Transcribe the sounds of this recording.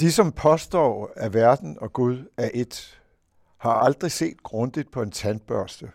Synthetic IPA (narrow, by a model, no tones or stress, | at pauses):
d̥isɒ̽mpʰɒ̽sd̥ɒ̰ːæɐʋæɐd̥n̩ɒ̽ɡ̥uð̞ˠæʔe̝d̥ | hɑ̈ɑ̈ld̥ʁise̝̰ːd̥ɡ̥ʁɔ̽nd̥id̥̚pʰɒ̽e̝nt͡sʰæn̚b̥ɶɐsd̥ə